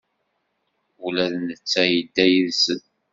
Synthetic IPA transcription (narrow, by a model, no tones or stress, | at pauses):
ulæðnət͡sːæjəd̪ːæjiðsən